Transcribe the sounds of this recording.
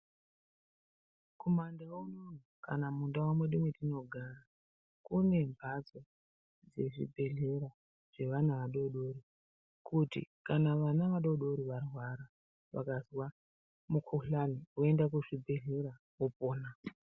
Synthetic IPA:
kumandawaunon̤ukanamundawamweɗimwetino̞ɡʱara | kune̞mbʱad͡zo | d͡ze̞ʐḭbʱe̞ɮe̞ɾa | ʐ̥e̞ʋanaʋaɗo̞ɗo̞ɾi | kʰutḭkanaʋanaʋaɗo̞ɗo̞ɾiʋarwaɾa | ʋa̰kazwa | mukʰuɬanioendakuʐibʱe̞ɮe̞ɾa | opo̞ːna

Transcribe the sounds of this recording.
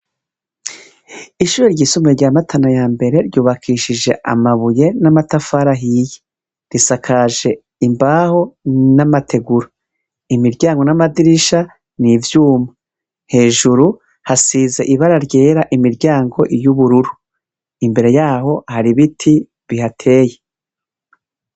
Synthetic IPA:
iʃuːɾeɾɟiːsumeɾɟaːmatʰanajaːmbe̞ɾe̞ɾɟuːβakʰiːʃiʒe̞ʔa̰maβuje̞namatafaɾaɦije̥ | ɾisakʰaʒe̞ | imbaho̞namatʰe̞ɡuɾo | imiɾɟaːŋɡo̞namadiɾiʃa | nivjuːma | he̞ːʒuɾu | hasiːze̞ʔiβaɾaɾɟe̞ːɾaʔimiɾɟaːŋɡo̞ʔijuβuɾuɾu | imbe̞ɾe̞jaːɦo̞haɾiβitʰi | βihatʰe̞ːje

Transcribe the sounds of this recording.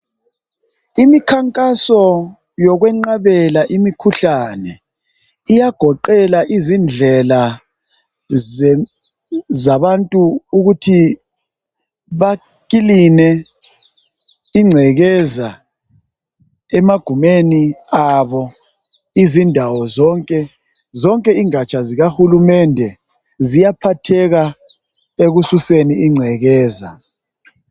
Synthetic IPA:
imikʰaŋkʼasɔ | jɔɣwɛŋ͡ǃaβɛlaʔimikʰuɬanɛ | ijaɡ̥ʱɔǃɛlaʔizind͡ɮʱɛla | zaβantʼuuɣutʰi | βa | kilinɛ | iŋ͡ǀʱɛɣɛza | ɛmaɡ̥ʱumeniaβɔ | izindʱawɔzɔŋkʼɛ | zɔŋkʼɛiŋat͡ʃʼʰaziɣahulumɛndʱɛ | zijapʰatʰɛɣa | eɣususeniːŋ͡ǀʱɛɣɛːza

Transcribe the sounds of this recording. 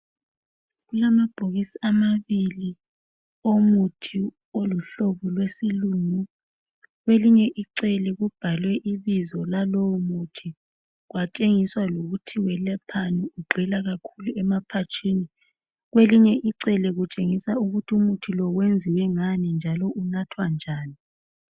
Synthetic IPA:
ɣulamab̥ʱoɣisiamaβili | omutʰi | oluɬoβulwesiluŋu | ɣweliɲɛʔiǀɛlɛɣub̥ʱalwɛʔiβizɔlalowɔmutʰi | ɣwat͡ʃʼeŋiswaloɣutʰiwɛlɛpʰaniuɡ͡ǃʱilaɣakʰuluɛmapʰat͡ʃʼʰini | ɣweliɲɛʔiǀɛlɛɣut͡ʃʼeŋisauɣutʰiumutʰilɔwend͡zʱiwɛŋanind͡ʒʱalɔʔunatʰwand͡ʒʱaːni

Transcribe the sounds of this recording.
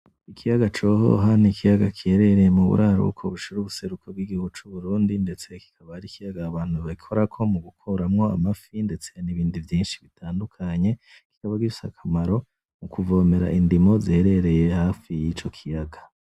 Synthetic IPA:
ikʰijaɡat͡ʃo̞ɦo̰ɦanikʰijaɡakʰihe̞ɾe̞ɾe̞jemuβṵɾʔaɾṵkʰoβuʃiɾuːβuse̞ɾukʰob̚ɡiɡihuɡut͡ʃuβuɾuːndinde̞t͡se̞ki̥kʰaβahaɾikijaɡaːβaːn̥huβaɡikʰoɾakʰo̞muɡukʰoɾamŋo̞a̰mafinde̞t͡se̞janiβiːndivjiːnʃi̥βitʰaːndukʰaɲe̞ | ki̥kaβaɡiusa̰kʰamaɾo̞ | mukuvo̞ːme̞ɾa̰ʔindimo̞zihe̞ɾe̞ɾe̞je̞haːfijit͡ʃo̞kʰijaɡa

